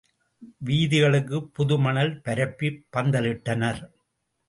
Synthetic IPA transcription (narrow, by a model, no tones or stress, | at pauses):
ʋiːðɪɣɐɭɯk̬ːɯpːʊðɯmɐnɐlpɐɾɐpːipːɐnd̪ɐlɪʈːɐnɐɾ